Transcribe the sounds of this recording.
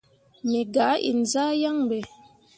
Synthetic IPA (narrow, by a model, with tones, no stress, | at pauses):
me˨ɡa˨˦ʔḭ˨n̩˨zaː˦ja˦ŋbɛ˨